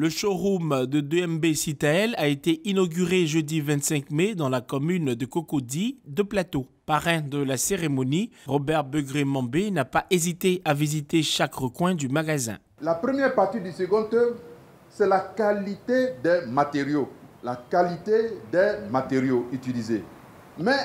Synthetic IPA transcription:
ləʃoʁumd̪əd̪øɛmbesit̪aɛlaet̪eʔinɔɡʲyʁeʒød̪ivɛ̃t̪sɛ̃kmed̪ɑ̃lakɔmynd̪əkɔkod̪id̪əplat̪o | paʁɛ̃d̪əlaseʁemɔniʁɔbɛʁbəɡʁemɑ̃benapaʔezit̪eavizit̪eʃakʁəkwɛ̃d̪ymaɡazɛ̰̃ | lapʁəmjɛʁpaʁt̪id̪ysəɡɔ̃t̪ø | sɛlakalit̪ed̪ɛmat̪eʁjolakalit̪ed̪ɛmat̪eʁjoyt̪ilize | mɛ

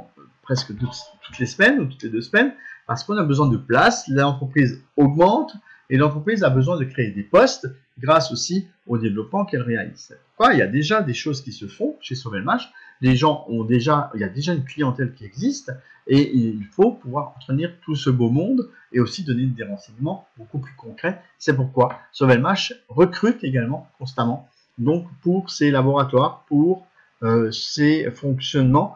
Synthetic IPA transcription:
pχɛskət̪ut̪t̪u̥t̪lesmɛnut̪ut̪led̪øsmɛnpaʁsə̥kɔ̃nabəzwɛ̃d̪əplaslɑ̃t̪χəpχizɔɡmɑ̃t̪ | elɑ̃t̪χəpχizabəzwɛ̃d̪əkχeːd̪epɔst̪ | ɡʁasosi | od̪evlɔpmɑ̃kɛlʁealḭzpu̥ʁkwailja̰d̪eʒad̪eʃozkʲisəfɔ̃ʃesyʁvɛlmaʃleʒɑ̃ʔɔ̃d̪eʒailjad̪eʒaynklijɑ̃t̪ɛlkʲiɛɡzist̪ | eiilfopuvwaʁɑ̃t̪χəniʁt̪usəbomɔ̃d̪ | eosid̪ɔned̪eʁɑ̃sɛɲəmɑ̃bokuplykɔ̃kχɛ | sɛp̬uʁkwasɔvɛlmaʃʁəkχyt̪eɡalmɑ̃kɔ̃st̪amɑ̃ | d̪ɔ̃kpuʁselabɔʁat̪waʁpuʁ | øsefɔ̃ksjɔnmɑ̃

